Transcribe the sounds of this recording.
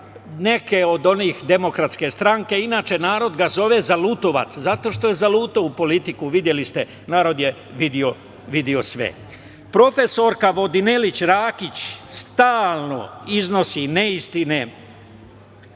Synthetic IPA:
ne̞ke̞o̞d̪o̞nixd̪e̞mo̞kɾat̪ske̞st̪ɾaŋke̞inaːt͡ʃe̞naːɾo̞d̪ɡazo̞ʋe̞zaluːt̪o̞ʋa̰t̪szat̪o̞ːʃt̪o̞je̞zaluːt̪oupo̞lit̪ikuʋid̪je̞list̪e̞ | naːɾo̞d̪je̞ | ʋid̪io̞ | ʋid̪io̞sʋḛ | pɾo̞fe̞so̞ɾkaʋo̞d̪ine̞lit͡ɕɾaːkit͡ɕst̪aːlˠno̞izno̞sineist̪ine

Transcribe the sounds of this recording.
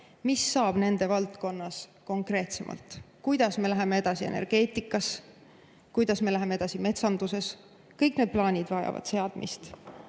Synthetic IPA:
misːɑːb̥ne̞nd̪̥e̞vɑlt̪ko̞nːɑsko̞ŋkre̞ːt̪se̞mʔɑ̰lt̪ˑ | kujd̪̥ɑsmelæɦe̞me̞e̞d̪̥ɑsie̞̰ne̞̰rɡ̥e̞ːt̪ˑikːˑɑs | kujd̪̥ɑsme̞læɦe̞mee̞d̪̥ɑsime̞t̪sɑnd̪̥use̞s | kɤjkne̞d̪̚plɑːnʲid̪̥vɑjɑ̰vɑ̰d̪̥se̞ɑd̪̥mḭst̪

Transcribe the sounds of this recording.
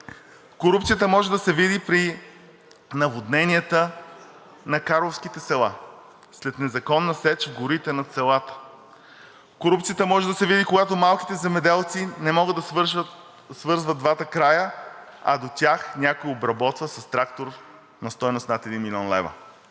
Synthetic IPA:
koɾup̪̚sijət̪əmɔʒɛd̪ɐsɛvid̪ipɾi | nɐvod̪nɛniət̪ə | nɐkaɾlˠofsk̟it̪ɛsɛlˠa̰ | slɛt̪nɛzɐkɔnːɐsɛt͡ʃvɡʊɾit̪ɛnɐt̪sɛlˠat̪ə̥ | koɾupt̪sijət̪əmɔʒɛd̪ɐsɛvid̪ikoɡat̪omalˠki̥t̪ɛzɛmɛd̪ɛlˠt̪sinɛmɔɡəd̪ɐ | svɤɾzvəd̪̚d̪vat̪əkɾajə | ɐ̰d̪ot̪ʲaxnʲakʊjiobɾɐbɔt̪vəsɐst̪ɾakt̪oɾ | nɐst̪ɔjnʊst̪nat̪ɛd̪inmilʲiɔnlɛ̰və̰

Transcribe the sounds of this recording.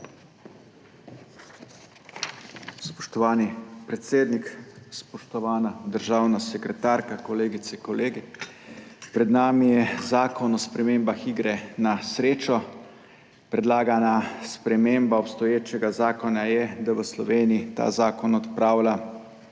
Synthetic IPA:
spɔ̥ʃt̪ɔʋaːnipɾɛt̪seːd̪nikspɔʃt̪ɔʋaːnad̪əɾʒaːwnasɛkɾɛt̪aɾkakɔleːɡit̪sɛkɔleːɡɛ | pɾɛd̪naːmijɛzaːkɔnɔspɾɛmeːmbaxiɡɾɛnasɾeːt͡ʃɔ | pɾɛd̪laːɡanaspɾɛmeːmbaɔpst̪ɔjeːt͡ʃɛɡazaːkɔnajɛd̪aʋəslɔʋeːniit̪a̰ːzaːkɔnɔt̪pɾaːwla

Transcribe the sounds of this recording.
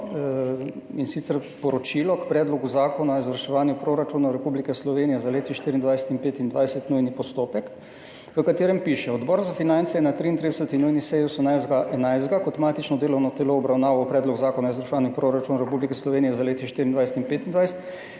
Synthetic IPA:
insit̪sɛɾpɔɾɔt͡ʃilɔkpɾɛːd̪lɔɡuzaːkɔnaizʋəɾʃɛʋaːnjupɾoɾat͡ʃunaɾɛpublikɛslɔʋeːnijɛzaleːt̪iʃt̪iːɾiːnd̪ʋajsɛ̥t̪inpeːt̪ind̪ʋajsɛt̪nujnipɔst̪oːpɛk | ʋəkat̪eːɾɛmpiʃɛɔd̪bɔːɾzafinant̪sɛjɛnat̪ɾiːnt̪ɾid̪əsət̪inujnisɛjosəmnajzd̪ɡaʔɛnajzd̪ɡakɔt̪maːt̪it͡ʃnɔd̪eːlɔwnɔt̪ɛloːbɾawnaːʋɔwpɾɛːd̪lɔɡzaːkɔnaizʋəɾʃɛʋaːnjupɾoɾat͡ʃunaɾɛpublikɛslɔʋeːnijɛzaleːt̪iʃt̪iɾind̪ʋajs̬ɛt̪inpeːt̪ind̪ʋajsɛt̪

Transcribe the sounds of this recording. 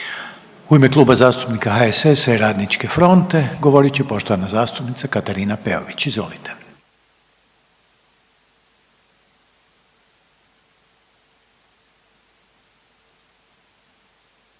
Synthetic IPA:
uime̞klˠuːbazaːst̪u̥pnikaɦaeseseɾaːd̪nit͡ʃke̞fɾo̞nt̪e̞ɡo̞ʋo̞ɾit͡ɕepo̞ʃt̪oʋanazaːst̪upnit̪sakat̪aɾiːnapḛo̰ʋit͡ɕizʋo̞̰lit̪ʰe̥

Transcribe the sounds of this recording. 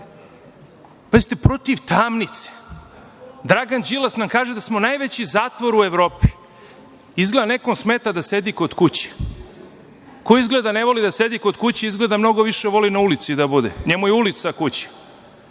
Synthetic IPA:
pazit̪epɾo̞t̪iʋt̪aːmnit̪se̥ | d̪ɾaɡand͡ʑilasnamkaːʒed̪asmo̞najʋet͡ɕizaːt̪ʋoɾueʋɾo̞ːpi̥ | izɡled̪anekomsmeːt̪ad̪ase̞d̪iko̞d̪kut͡ɕe̥ | koizɡled̪ane̞ʋo̞lid̪ase̞d̪iko̞d̪kut͡ɕeizɡle̞d̪amno̞ɡo̞ʋiʃeʋo̞linaulit̪sid̪abud̪ḛɲe̞mujeulit̪sakut͡ɕe̥

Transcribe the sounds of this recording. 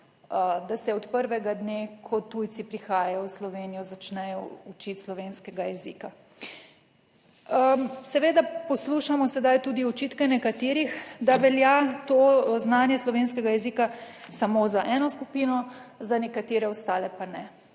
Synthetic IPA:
d̪asɛɔt̪pəɾʋɛɡad̪nekʰɔt̪ujt̪sipɾixaːjajɔwslɔʋeːnijɔzat͡ʃnɛjɔut͡ʃit̪slɔʋenskɛɡajɛzḭːka | əsɛʋeːd̪apɔsluʃamɔsɛd̪ajt̪uːd̪iɔt͡ʃiːt̪kɛnɛkat̪eːɾixd̪aʋɛljat̪oznaːnjɛslɔʋenskɛɡajɛziːka | samozaʔɛnɔskupiːnɔzanɛkat̪eːɾɛɔst̪aːlɛpanɛ

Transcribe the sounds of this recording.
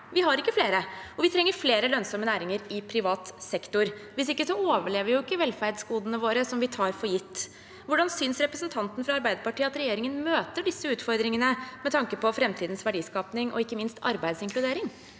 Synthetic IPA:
ʋɪɦɑɾɪkːəfleːɾəɔʋɪt̪ʰɾɛŋːəɾfleːɾəlœnsɔmənæːɾɪŋəɾɪpʰɾɪʋɑːt̪sɛkt̪ʊɾʋɪsɪkːəsɔoːʋəɭeːʋəɾjʊɪkːəʋɛlfæɾɖ̪skuːd̪ənəʋoːɾəsɔmʋɪt̪ʰɑːɾfɔjɪt̪ː | ʋʊɖɑnsʏnsɾɛpɾəsnt̪ʰɑnt̪n̩fɾɑɑɾbæɪd̪əpɑʈiːəɑt̪ɾɛjeːɾɪŋənmøːt̪əɖɪsːəʉːt̪fɔɾd̪ɾɪŋənəmɛt̪ʰɑŋkəpɔfɾɛmt̪ʰiːd̪nsʋæɖiːskɑːpnɪŋʔɔ̰ɪkːəmɪnst̪ɑ̰ɾbæɪd̪sɪŋklʉd̪eːɾɪŋ

